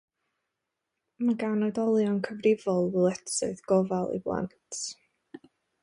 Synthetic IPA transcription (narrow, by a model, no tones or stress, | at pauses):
maɡawnɔɨdɔlˠjɔnkʰəvrɪvɔlˠwəlˠɛtsɨ̰ɨðɡ̥ɔvalˠḭblˠa̰ntʰ